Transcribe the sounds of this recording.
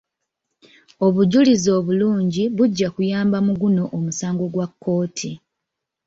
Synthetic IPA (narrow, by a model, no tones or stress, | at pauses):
o̞βuɟulizo̞ːβuluːɲɟiβuɟːakujaːmbamuɡuno̞ʔomusaːŋɡo̞ɡwakːo̞ːtʰi